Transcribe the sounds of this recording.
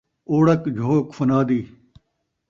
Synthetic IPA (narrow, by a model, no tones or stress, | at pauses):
oːɽɐkd͡ʑʱoːkfɐnaːd̪iː